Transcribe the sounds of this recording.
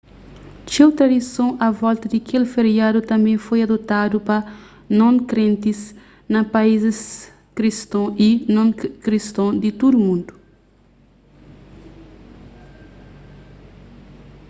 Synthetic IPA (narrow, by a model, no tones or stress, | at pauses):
t͡ʃiwt̪ɾɐd̪isõɐvɔlt̪ɐd̪ikʰelfeɾiad̪ut̪ɐ̃mbẽfojɐd̪ot̪ad̪upɐ | nõnkɾẽnt̪is | nɐpaizɪs | kɾist̪õinõnkɾist̪õd̪it̪ud̪umũnd̪u̥